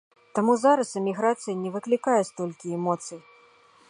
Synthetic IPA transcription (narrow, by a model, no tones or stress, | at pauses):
t̪amuzaɾɐsɨmʲiɣɾat̪sɨjɐnʲɛvɨklʲikajɛst̪ɔlʲkʲiɛmɔt̪sɨj